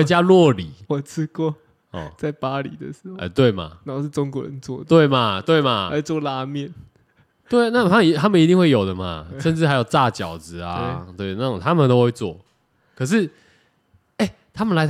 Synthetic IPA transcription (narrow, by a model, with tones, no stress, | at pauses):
t͡ɕja˦lwɔ˥˨li˨˩˦wɔ˨t͡s̩ʰ˥kwɔ˥˧ | ɔ̰˨˩t͡sa˥˩ɪpa˥lḭ˨˩˦d̪ə̰˨˦ʂ̩˧˥o˥˨ə̰˨˩t̪we˥˩ɪma̰˩na˥˩˧ʂ̩˥˩ʈ͡ʂo˥˦ŋkwɔ˧˥˦ɻə̰˧˦nt͡swɔ̰˥˩d̪t̪we˥˩ɪma˨t̪we˥˩ɪma˨˩la˧˩t͡swɔ˥˨la˥mjɛ˥˩n | t̪we˥˩ɪ˦na˥˩t̪ʰa˥˨i˧t̪ʰa˦˥mə˨ni˧˥i˥˧ŋxwe˥˩jo˨˩ʊd̪ə˨ma˨˩ʂə˥˧nʈ͡ʂɻ̩˥˨a˧˥ɪjo˨˩ʊta˥˧˨t͡ɕjɑ˨˩ʊd͡zɹ̩˨a̰˨˧t̪we˥˩ɪna˥˩˨ŋt̪ʰa˦mə˨nt̪o˥˦xwe˥˧ɪt͡swɔ̰˥˩ | kʰɤ˨˩ʂ̬ɻ̩˥˩ | e˥˩ɪ | t̪ʰa˥mə˨nla˧˦ɪ